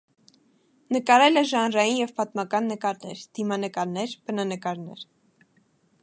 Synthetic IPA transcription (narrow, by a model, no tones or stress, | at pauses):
nəkɑɾɛlɛʒɑnrɑjinjɛvpɑt̪mɑkɑnːəkɑɾnɛɾd̪̥imɑnəkɑɾnɛɾb̥ənɑnəkɑɾnɛ̰ɾ